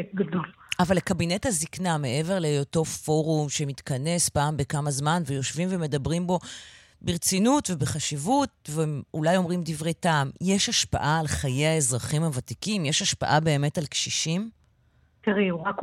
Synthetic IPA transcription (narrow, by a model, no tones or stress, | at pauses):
ɡadol | avalekabine̞thazikname̞ʔe̞ve̞ʁlejoto̞fo̞ʁumʃemitkɐne̞spaːmbekamazmanvejo̞ʃvimve̞me̞dabʁimbo̞ | beʁt͡sinutvebeχaʃivut̚veulajo̞mʁimdivʁetamjeʃhaʃpa̰ʔaːlχajejae̞zʁaχimavatikimjeʃaʃpa̰ʔabe̞ːme̞talkʃiʃim | tiʁiuʁak